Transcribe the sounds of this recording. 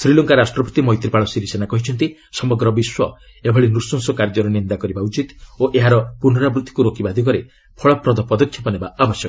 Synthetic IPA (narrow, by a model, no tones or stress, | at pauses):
sɾilɔŋkaɾasʈɾɔpɔ̥t̪imɔɦjt̪ɾipaɭɔsiɾisenakɔɦit͡ʃʰɔnt̪isɔmɔɡɾɔbiswɔ | ebʱɔɭinusɔŋsɔkaɾd͡ʒɔɾɔnind̪akɔɾibaut͡ʃit̪oʔeɦaɾɔpunɾabɾut̪ʰːi̥kuɾokibad̪ʱikɔɾe | pʰɔɭɔpɾɔd̪ʱɔpɔd̪ɔkʰjɔpɔnebaabɔsjɔkɔ